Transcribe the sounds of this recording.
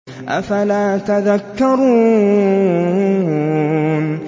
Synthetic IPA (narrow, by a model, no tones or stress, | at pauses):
ʔa̰falaːt̪aðakːɑɾˤuː | n